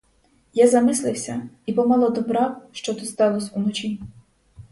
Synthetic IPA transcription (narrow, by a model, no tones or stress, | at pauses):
jazɐmɪslˠɪwsʲɐipɔmɑlˠɔd̪ɔbɾɑwʃt͡ʃɔt̪ɪst̪ɑlˠɔsʲunɔt͡ʃʲi